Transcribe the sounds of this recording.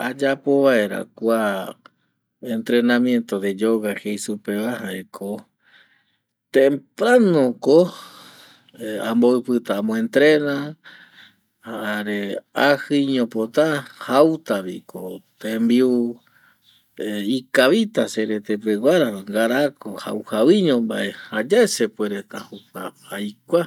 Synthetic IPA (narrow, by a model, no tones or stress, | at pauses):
ad͡ʒapo̞βae̞ɾa̰kʷa | ent̪ɾe̞nãmjẽ̞nt̪od̪ed͡ʒoɣahejsupeβahaekʰo | t̪ẽmpɾanõko | ãmboɨpɨt̪aːmõẽnt̪ɾena | haaɾeahɨiɲõpot̪ahawt̪aβikʰot̪embiu | ikaβit̪aseɾet̪ep̬ewaɾaŋɡaɾakoha̰whawiɲõmba̰ʔehad͡ʒaesepweɾet̪ahuka | ajkʷa